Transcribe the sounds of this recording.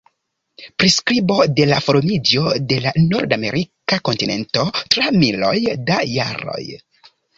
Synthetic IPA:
pɾiskɾibo̞de̞lafoɾomid͡ʒo̞de̞lano̞ɾdame̞ɾʔikako̞ntine̞̰nto̞tɾamilo̞̰jdaja̰ɾo̞̰j

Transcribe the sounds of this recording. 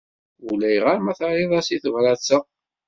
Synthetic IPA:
ulæjʁaɾmæθəɾˤiðˤæsiθəvɾæt͡sːə

